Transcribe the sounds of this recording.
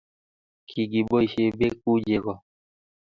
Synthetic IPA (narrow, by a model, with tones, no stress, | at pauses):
kʰi˨ɡi˨bo˦i˨ʃe˦be˦k̚u˦d͡ʒe˨ɡɔ˨